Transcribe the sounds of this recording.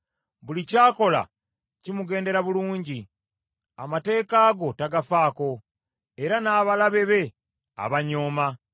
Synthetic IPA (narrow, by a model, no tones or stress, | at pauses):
βulicaːko̞la̰ | cimuɡe̞ːnde̞ɾaβuluːɲɟi | amate̞ːkaːɡo̞taɡafaːko̞ | e̞ɾanaːβalaβe̞βe̞ | a̰βaɲo̞ːma